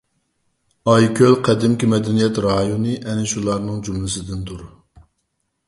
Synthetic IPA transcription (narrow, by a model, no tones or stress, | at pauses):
ɑjkʲʰølqʰɛd̪ɪmkʲimɛd̪ɛnijɛt̪ɾɑːjonɨʔɛnɪʃulˠɑɾnɨŋd͡ʒumlɪsɪd̪ɪnd̪uɾ